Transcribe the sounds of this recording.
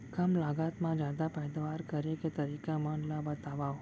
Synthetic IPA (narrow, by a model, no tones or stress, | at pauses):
kəmlaɡat̪mãd͡ʒad̪apɛjd̪ʋaɾkəɾeket̪əɾikamãnlabət̪aʋaʋ